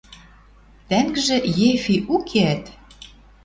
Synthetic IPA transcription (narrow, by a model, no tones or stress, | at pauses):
t̪æŋɡʒĕjefʲiʔukʰeæt̪